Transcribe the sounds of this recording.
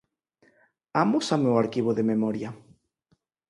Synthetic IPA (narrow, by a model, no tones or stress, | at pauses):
amʊsamewaɾkiβ̞oðememɔɾja